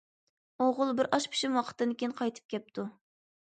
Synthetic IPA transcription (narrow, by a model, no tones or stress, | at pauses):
oʁʊlˠbɪɾɑʃpʰi̥ʃimwɑqʰə̥t̪d̪ɨnkʲejinqʰɑjt̪ʰɨ̥p̚kʲʰɛp̚t̪ʰu